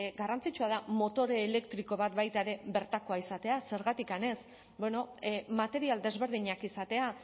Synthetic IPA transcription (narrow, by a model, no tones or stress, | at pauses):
ɡarant͡sit͡ʃuað̞amo̞t̪o̞ɾe̞ːle̞kt̪ɾiko̞β̞at̪bajt̪aeɾe̞βe̞ɾt̪ako̞aisat̪e̞ase̞ɾɣat̪ikane̞s | be̞no̞mat̪e̞ɾiald̪e̞zβe̞ɾðiɲakisat̪e̞a